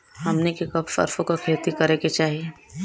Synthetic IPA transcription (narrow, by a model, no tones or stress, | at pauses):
hɐmnekekɐbfɐ̰ɾfõkakʰeːt̪ikɐɾeket͡ʃaːɦie